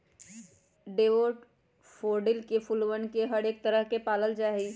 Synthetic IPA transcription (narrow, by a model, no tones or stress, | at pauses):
ɖeːʋoʈ | pʰoːɾɖɪlkepʰulwənkeɦəɽeːk̚t̪əɾəɦkepaːləld͡ʒaːɦi